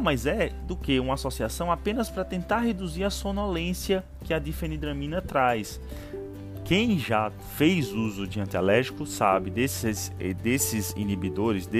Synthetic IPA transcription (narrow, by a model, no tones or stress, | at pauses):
majzɛd̪ʊkeũmɐasosiasɐ̃w̃apẽnɐspɾɐt̪ẽnt̪aɾɦed̪uziɾɐsõnɔlẽsiɐ | kɪad̪ifẽnid̪ɾɐ̃mĩnɐt̪ɾajs | kẽj̃ʒa | fejzuzʊd͡ʒiɐ̃nt̪alɛɾʒikʊsabɪd̪esɪsd̪esɪzḭ̃nibid̪oɾɪzd̪e